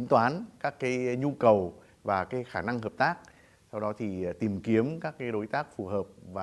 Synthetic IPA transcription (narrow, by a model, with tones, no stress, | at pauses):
i˨˦ŋt̪waː˨˦nkaː˦˥kːaː˨˦jɲu˧kə˨˩w | vaː˨˩kaː˨˦jxaː˧˩na˧ŋɦəː˨˩p̚t̪aː˦˥k̚ | sa˧wɗɔ˨˦t̪ʰi˨˩t̪i˨˩mki˨˦əmkaː˦˥k̚ːaː˨˦jɗo˨˦jt̪aː˦˥k̚fu˨˩həː˨˩p̚vaː˨˩